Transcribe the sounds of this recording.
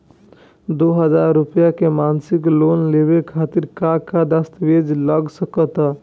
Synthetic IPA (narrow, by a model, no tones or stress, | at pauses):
d̪oɦəd͡ʒaɾːupjakemansiklonlebekʰat̪iɾkakad̪əst̪ʋed͡ʒləɡsəkət̪a